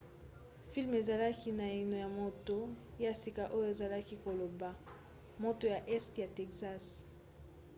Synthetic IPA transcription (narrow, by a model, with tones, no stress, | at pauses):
fi˦lme˨za˨la˦ki˦na˨i˨no˨ja˨mo˨to˨ja˦si˨ka˨ʔo˦jo˦e˨za˨la˦ki˦ko˨lo˨ba˨ | mo˨to˨ja˨ʔɛ˦stja˨tɛ˨kza˦s